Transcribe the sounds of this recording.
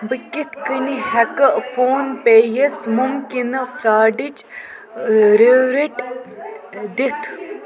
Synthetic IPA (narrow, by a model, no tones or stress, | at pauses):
bəkʲit̪ʰkəniɦɛkəfoːnpeːjesmumkinəfɾaːɖit͡ʃ | ɾeɾiʈ | d̪it̪ʰ